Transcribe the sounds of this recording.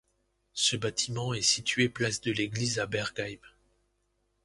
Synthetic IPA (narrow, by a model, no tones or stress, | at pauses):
səbat̪ʰimɑ̃ɛsit̪ɥeplasd̪əleɡlizabɛʁɡajm